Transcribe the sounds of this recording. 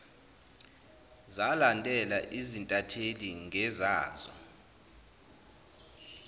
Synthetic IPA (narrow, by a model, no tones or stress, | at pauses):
zalantʼɛlaʔizintʼatʰeliŋʱɛzaːzɔ̰